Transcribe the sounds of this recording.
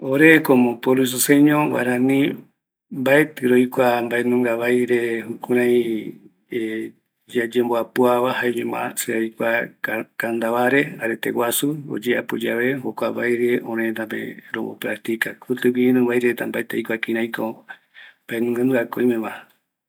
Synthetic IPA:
oɾekomõpolus̬oseɲõβa̰ɾãnĩ | mbaet̪ɨɾojkʷambaenũŋɡaβajɾe̞hukũɾ̃ãj̃ | d͡ʒad͡ʒemboapuaβaɦaeɲẽmã̰seajkʷakand̪aβaɾe̞aɾet̪ḛwasuo̰d͡ʒeapud͡ʒaβehokʷaβajɾe̞õɾet̪apḛɾo̰mo̰pɾak̚t̪ikakʰut̪ɨβiẽnɨ̃βajɾet̪ambaet̪ejkʷakĩɾãj̃ko | mb̥aenũŋɡɨnɡakoj̃mẽmã

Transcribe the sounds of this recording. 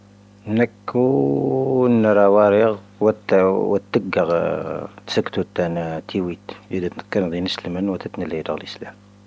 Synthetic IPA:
nəkːu | ənːɾˤɑwɑɾiɣ | wət̪wət̪ːəɡəɣ | t̪səkːt̪ut̪ːænt̪ʰiwit̪jid̪æt̪nəkːɑnd̪inəsləmənwət̪æt̪nəlid̪əɣəlʔəslæm

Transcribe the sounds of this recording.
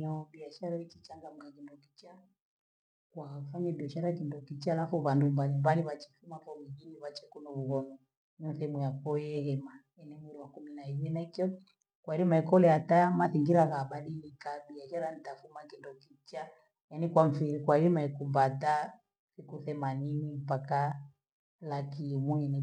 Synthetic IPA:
aɓiaʃaɾait͡ʃit͡ʃaŋɡam̩kakindɔkit͡ʃa | kwafaɲaɓiaʃaɾakindɔkit͡ʃaːlafuβandumbalimbaliβat͡ʃɛ̥fumakɔβiɣiniβat͡ʃɛkunɔβuɣɔnɔ | nin̩θɛɛmujakɔjɛhɛmajanimuɾiwakuminaiβɛnakiɔ | kwaiɾimaikɔlɛatamaθiŋɡiɾaɣaɓaɗilikaɗiaʃaɾanitafumakindɔkit͡ʃa | janikwam̩fiɾikwaiɾimaikumbata | sikuθɛmaninimpaka | lakimuɛnɛ

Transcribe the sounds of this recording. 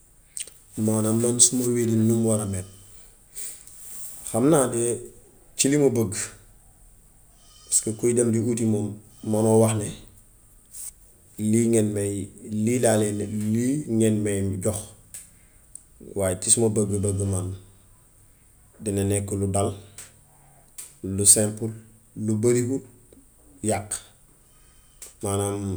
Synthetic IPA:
manammonsumoweːdinumwaɾamet̚ | xamnaːde | t͡ʃilimobəɡ | baskekojidamdiutimo | manowaxne | liŋenmejlilaːleneliŋenmejɟɔx | waːjtismobəɡəbəɡəman | dinenɛkːoludal | lusempul | lubaɾihul | jak | maːnam

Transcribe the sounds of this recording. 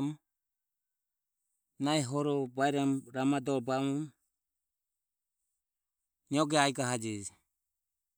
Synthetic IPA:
m | najɦɔɾɔbajɾamɾamadɔɾbamɔm | ɲɔɡeajɡaɦad͡ʒid͡ʒ

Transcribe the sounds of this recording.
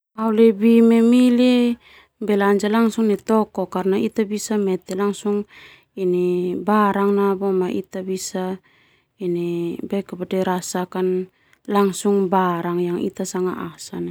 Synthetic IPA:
awlebimemile | beland͡ʒalaŋsuŋnet̪okokaɾnait̪abisamet̪elaŋsuŋ | inebaɾaŋnabomaʔḭt̪abisa | inebajkapadeɾasakan | laŋsuŋbaɾaŋjaŋḭt̪asaŋa̰ʔasana

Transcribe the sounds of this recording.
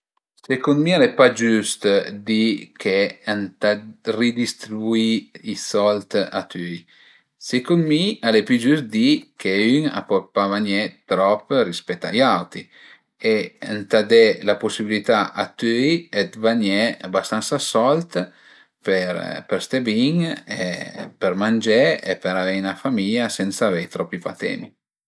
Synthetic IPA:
sekunmialepad͡ʒyst̪d̪ikʰeant̪arid̪ist̪ɾibuiisɔlt̪a̰t̪yj | sekunmialepyd͡ʒysd̪ikʰeyŋa̰pɔpavaɲɛt̪ɾɔpːɾispɛt̪ːa̰jawt̪ɾi | eant̪ad̪elaposibilit̪aʔa̰t̪yjed̪vaɲɛabast̪ansasɔlt̪ | peɾpeɾst̪ebiŋḛpeɾmand͡ʒɛepeɾavɛjnafamiʎasɛnsavɛjt̪ɾɔpːipat̪ɛ̰ni

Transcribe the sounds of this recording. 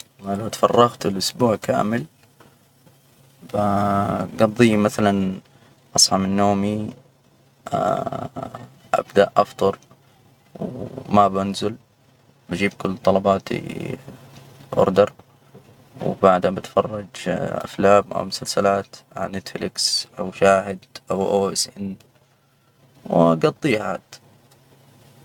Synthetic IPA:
malawt̪fɑrˤːɑɣt̪ɪlʔʊsbuːʕka̰ːmɪl | baɡɑd̪ˤːiːmaθalan | ʔɑsˤʕɑmɪnːoːmi | ʔa̰bd̪aʔʔɑft̪ˤɑɾˤ | wmabanzʊl | bad͡ʒiːb̚kʊlːt̪ˤːɑlɑbɑːt̪ḭ | ʔʊ̰ɾd̪ɑɾˤ | wbaʕd̪habɪt̪fɑrˤːɑd͡ʒʔa̰flaːmʔa̰wmʊsalsɪlaːt̪ʕa̰nɪt̪flɪksʔawʃaːɦɪd̪ʔawʔoːʔɪsʔɪn | wɡɑt̪ˤːiːha̰ːd̪

